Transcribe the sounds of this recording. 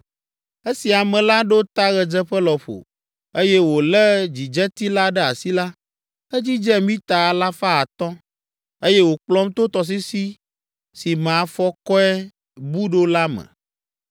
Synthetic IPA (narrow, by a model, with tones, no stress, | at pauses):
e˦si˨a˨mɛ̃˨la˦ɖo˦t̪a˦ɣɛ˨d͡ʒɛ˦ɸə˦lɔ˨ɸo̰˨ | e˦jɛ˦wo˨lɛ˦d͡ʑi˨d͡ʒɛ˦t̪i˦la˦ɖɛ˦a̰˨si˦la˦ | ɛ˦d͡ʑi˦d͡ʒɛ˦mĩ˦t̪a˨la˦fa˦a˨t̪ɔ̃˦ | e˦jɛ˦wo˨k͡plɔ˦mt̪o˦t̪ɔ˨s̬i˦si˦ | si˨m̃˨a˨fɔ˦kɔ˦ɛ˦ | bu˦ɖo˦la˦mɛ̰̃˨